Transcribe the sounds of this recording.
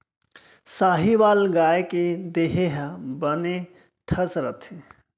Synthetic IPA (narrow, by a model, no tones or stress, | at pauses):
saːɦiʋaːlɡaːjeked̪eɦeɦɛbəne | ʈʰəsɾət̪ʰe